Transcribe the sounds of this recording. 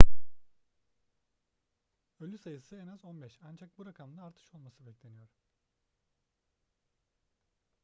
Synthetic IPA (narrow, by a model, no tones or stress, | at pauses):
ølʲysajɯsɯenazo̞nbɛʃand͡ʒak̚buɾakʰamd̪aːɾt̪ʰɯ̥ʃo̞lˠmasɯbɛclʲe̞nijo̞ɾ